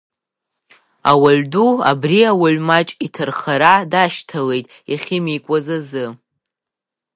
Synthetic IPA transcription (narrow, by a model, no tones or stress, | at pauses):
a̰waɥdua̰briawalmat͡ʃʼitʰɨrχaɾadaʃtʰale̞jtʼ | jaχʲɪmikʷʼazazɨ